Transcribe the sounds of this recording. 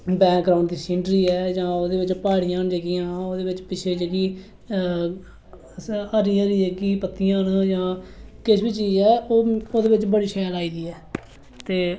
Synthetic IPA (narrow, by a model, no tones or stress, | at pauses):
bɛ̃ːkɡɾaːʊɳɖd̪iːsɪ̃ːɳʈɾiːɛːd͡ʒãːoːd̪eːbɪt͡ʃpaːɽijãːnd͡ʒəɡɪjãːoːd̪eːbɪt͡ʃpɪt͡ʃʰeːd͡ʒəɡiː | əɾiːəːɾiːəɡiːpət̪ːijãːnd͡ʒãːkɪʃbit͡ʃiːd͡ʒɛːoːoːd̪eːbɪt͡ʃbəɽiːʃɛːlaːiːd̪iːɛː | t̪eː